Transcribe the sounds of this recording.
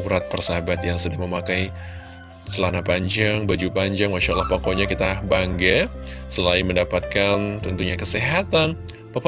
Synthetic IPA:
uɾat̪̚pərsabat̪jaŋsudaŋməmakaj | t͡ʃəlanapaɲd͡ʒaŋbad͡ʒupaɲd͡ʒaŋmaʃaʔlahpokoɲakit̪abaŋɡasəlaiməndapat̪̚kant̪unt̪uɲakəseɦat̪an | pəp

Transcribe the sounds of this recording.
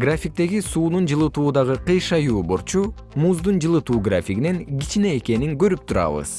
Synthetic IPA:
ɡrafʲik̚t̪e̞ɡisuːnund͡ʒɯlˠɯt̪uːd̪ɑʁɯqɯjʃɑjuːboɾt͡ʃʰu | muzd̪und͡ʒɯlˠɯt̪uːɡrafʲiɡine̞ŋɡit͡ʃine̞ːke̞niŋɡø̞ɾyp̚t̪ʰuɾɑ̰βɯ̰z̥

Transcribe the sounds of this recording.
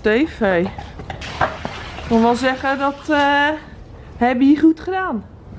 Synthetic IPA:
teːfej | konʋɛlˠzɛɣədɔt | hɛbəiχutχədaːn

